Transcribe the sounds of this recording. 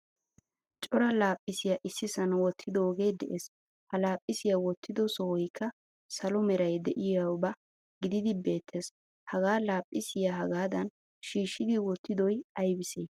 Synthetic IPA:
t͡ʃʼɔɾɐlaːpʼːɪsɪjaʔɪsːɪsɐnwɔt̪ʰːɪd̪ɔoɡe̞ːd̪ɛʔeːs | hɐlaːpʼːɪsɪjawɔt̪ʰːɪd̪ɔsɔwɔjkʰːɐ | sɐlɔmɛɾɐjd̪ɛʔɪjawbɐ | ɡɪd̪ɪd̪ɪbe̞ːt̪ʰːeːs | hɐɡaːlaːpʼːɪsɪjaɦɐɡaːd̪ɐn | ʃiːʃːɪd̪ɪwɔt̪ːɪd̪ɔjɐjbɪseː

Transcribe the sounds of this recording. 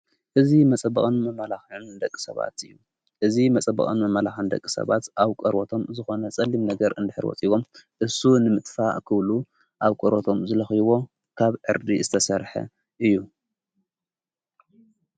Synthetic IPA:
ʔɨzimɐt͡sʼɐbɐkʼɨnmɐmalaxɨnd̪ɐkʼːi̥sɐβa̰t̪ɨjːu | ʔɨzimɐt͡sʼɐbɐ̰kʼɨnmɐmalaxɨnd̪ɐ̰kʼːi̥sɐ̰βat̪ʔaβkʼɐɾwot̪ʰo̞mzɨxonɐt͡sʼɐlːimnɐɡɐɾɨnd̪ɨħɨɾwɔ̰t͡sʼiβo̞mʔɨsunɨmɨt̪ʼfakʰɨβlu | ʔaβkʼɐɾot̪ʰo̞mzɨlɐxiβo̞ | kʰaβʕɨɾd̪izɨt̪ʰɐsɐɾħɐ̰ | ʔɨjːu

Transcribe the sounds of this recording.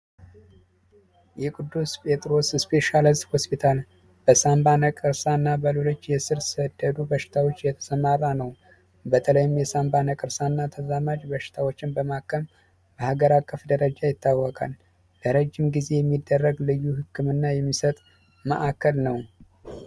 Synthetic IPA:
jɛkʼɨd̪ːuspʰʼe̞t̪ʼɾo̞sspʰe̞ʃalist̪ho̞spit̪ʰal | b̥əsambanəkʼɨɾsanːabəlolot͡ʃːjɛsɨɾsəd̪ːəd̪ubəʃɪ̥t̪ʰawo̞t͡ʃːjɛt̪ʰə̥səmarːanəw | bət̪ʰələjɪmjɛsambanəkʼɨɾsanːat̪ʰəzamad͡ʒbəʃɪ̥t̪ʰawot͡ʃːɪnbəmakʰːəm | bəhaɡəɾakʼːəfd̪əɾəd͡ʒajɪt̪ːawːɔkʼa̰l | b̥əɾəd͡ʒːɪmɡize̞jɛmːid̪ːərːəɡlɨjːuhɨkʰːɨmɨnːajɛmːisət̪ʼ | mə̰ʔakʰːəlnəw

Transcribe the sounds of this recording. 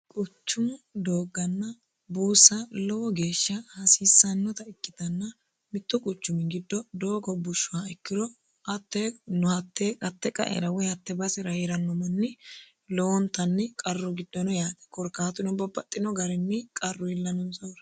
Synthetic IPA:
kʼʊt͡ʃːʊmd̪oːɡɐnːɐ | buːsɐlɔwɔɡe̞ːʃːɐhɐsiːsːɐnːɔt̪ɐɪkʼːɪd̪ɐnːɐ | mɪt̪ːɔkʼʊt͡ʃːʊmɪɡɪd̪ːɔd̪oːɡɔbʊʃːʊwaɛkːɪɾɔ | ʔɐt̪ːenɔhɐt̪ʰːeːkʼɐt̪ːɛkʼɐ̰ʔɛ̰ɾɐwɔjɐt̪ːɛbɐsɛɾɐhɪɾɐnːɔmɐnːɪ | lɔwɔnt̪ːɐnːɪkʼɐrːʊɡɪd̪ːɔnɔjaːt̪ɛ̥kɔɾkaːt̪ʊnɔbɐbɐt̪ʼːɪnɔɡɐɾɛnːɪkʼɐrːʊɪlːɐnɔnsʼɔwɾɐ

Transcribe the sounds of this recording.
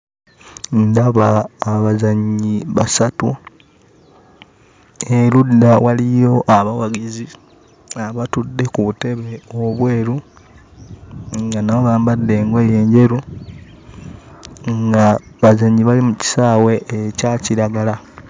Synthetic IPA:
ndaβaːβazaɲːiβa̰satu | eludːawalijo̞ʔaβawaɡizi | aβatudːe̞kuβute̞βe̞o̞βwe̞ːɾu | ŋɡanawoβaːmbadːe̞ːŋɡe̞je̞ːɲɟe̞ɾu | ŋɡaβazaɲːiβalimuci̥saːwe̞ːcaciɾaɡala

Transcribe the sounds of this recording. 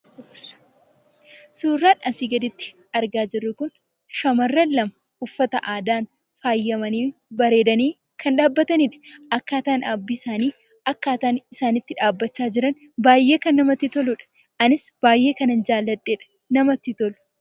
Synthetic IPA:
suːrːaːᶑɐsiːɡɐd̪ɪt̪ːɪ̥ | ɐɾɡaːd͡ʒɪrːʊkʊn | ʃɐmɐrːɐlːɐmɐ | ʊfːɐt̪ɐ̰ʔaːd̪aːn | faːjːɐmɐniːbɐɾe̞ːd̪ɐniː | kʰɐnᶑaːbːɐt̪ɐniːᶑɐ̥ʔɐkːaːt̪aːnabːiːsaːniː | ɐkːaːt̪aːnɪsaːnɪt̪ːɪᶑaːbːɐt͡ʃːaːd͡ʒɪɾɐn | baːjːe̞ːkɐnːɐmɐt̪ːɪt̪ɔlʊᶑɐ̥ | ʔɐnɪsb̥aːjːe̞ːkɐnɐnd͡ʒaːlːɐd̪ːeːᶑɐ̥ | nɐmɐt̪ːɪt̪ɔlʊ̥

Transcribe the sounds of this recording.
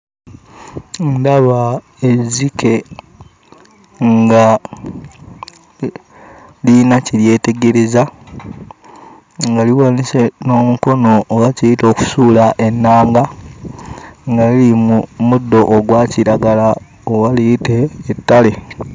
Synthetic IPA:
ndaβa | ezikʰe̞ | ŋɡa | linacilje̞ːte̞ɡe̞ɾe̞za | ŋɡaliwaniseno̞ːmuko̞noːwacijito̞ːku̥suːlaʔe̞nːaːŋɡa | ŋɡalilimumudːo̞ʔːɡwaciɾaɡala | oɣalijite̞ːtːale

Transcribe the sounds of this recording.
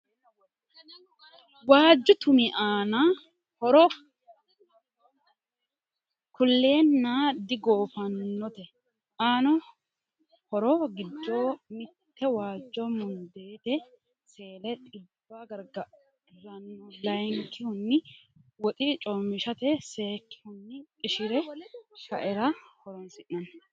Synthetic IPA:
waːd͡ʒːʊt̪ʊmɪʔaːna | hɔɾɔ | kʰʊlːe̞ːnːaːd̪ɪɡo̞ːfɐnːɔt̪ɛ | aːnɔ | hɔɾɔɡɪd̪ːoːmɪt̪ːɛwaːd͡ʒːɔmʊnd̪e̞ːt̪ɛ | se̞ːlɛt̪ʼɪbːaɡɐɾɡɐ | ɾɐnːɔlɐjŋkːɪhʊnːɪwɔt̪ʼɪt͡ʃʼɔmɪʃɐt̪ɛse̞ːkːɪ̥hʊnːɪkʼɪʃɪɾɛʃɐʔɛɾɐhɔɾɔnsɪʔnɐn

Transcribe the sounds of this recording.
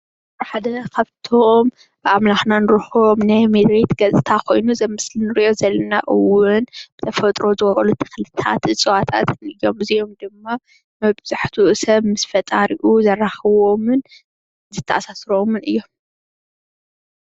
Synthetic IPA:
bħad̪ɐkʰaβt̪ʰom | b̥ɨʔamlaxnanɨɾɨxomnajmed̪ɾet̪ɡɐzʼɨt̪ʰakʰo̞̰jnuzɐmɨslinɨɾiʔo̞zɐlːɐna̰ʔɨwːʊnbɨt̪ʰɐfɐt̪ʼɾo̞zɨwɐkʼɐlut̪ʰɨ̥xlɨt̪ʰa̰t̪ɨt͡sʼɨwat̪ʰa̰t̪ʰɨnɨjːo̞mɨzio̞md̪ɨmːa | mɐβz̥aħt̪ʰuʔɨsɐβmɨsfɐt̪ʼaɾiʔuzɐrːaxɐwo̞mɨn | zɨt̪ʰːɐʔasasɾomɨnɨjːo̞m

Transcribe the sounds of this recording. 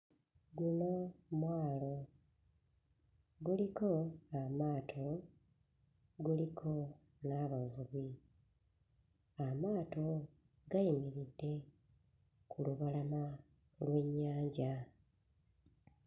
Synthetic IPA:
ɡuno̞mwaːlo̞ | ɡuliko̞amaːtʰo̞ | ɡulikʰo̞ | naβavuβi | amaːto̞ | ɡaimiɾidːe̞ | kuluβalama | lwe̞ɲːaːɲɟa

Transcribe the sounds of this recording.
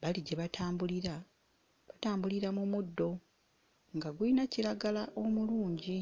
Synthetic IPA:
βaliɟeβatʰaːmbuliɾa | βataːmbuliɾamumudːo̞ | ŋɡaɡulinaciɾaɡalaʔo̞muluːɲɟi

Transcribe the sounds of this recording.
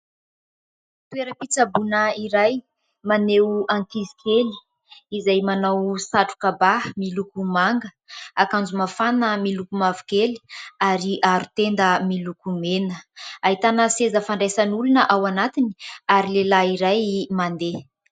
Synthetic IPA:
t̪ueɾəpit͡sabunəiɾaj | manewaŋkizi̥kʰeli̥ | izajmanawsaʈ͡ʂu̥kabamilukumaŋɡə | akand͡zumafanəmilukumavikeli̥aɾiʔaɾut̪end̪əmilukumenəaɦit̪anəsezəfaɳɖ͡ʐesənulunəʔawanat̪iniaɾilelaiɾajmand̪e

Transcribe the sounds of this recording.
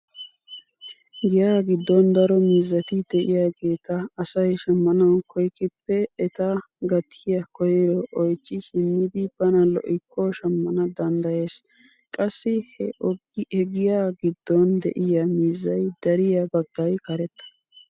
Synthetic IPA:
ɡɪjaːɡɪd̪ːɔnd̪ɐɾɔmiːzːɐt̪ɪd̪̥ɛʔɪjaːɡe̞ːt̪ɐːsɐjʃɐmːɐnɐwkʰɔjkʼɪpːɛːt̪ɐ | ɡɐt̪ʰːɪjɐkɔjɛɾɔʔɔjt͡ʃːɪsɪmːɪd̪ɪb̥ɐnɐlɔ̰ʔɪkʰːɔʃɐmːɐnɐd̪ɐnd̪ɐje̞ːs | kʼɐsːɪhɛɔɡɛɡɪjaːɡɪd̪ːɔnd̪ɛ̰ʔɪjɐmiːzːɐjd̪̥ɐɾɪjɐbɐɡːɐjkɐɾɛt̪ːɐ̥

